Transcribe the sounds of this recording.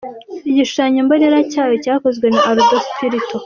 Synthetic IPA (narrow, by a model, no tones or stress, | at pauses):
iɟiʃu̥ʃaɲomboneɾacaːwecaːko̞zɡwe̞naʔaɾudostʰiɾitʰo